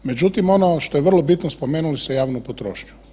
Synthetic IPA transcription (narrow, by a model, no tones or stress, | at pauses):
me̞d͡ʑut̪imo̞noʃt̪o̞jeʋr̩lˠobit̪nospomeːnulist̪ejaːʋnopot̪ɾo̰ːʃɲu̥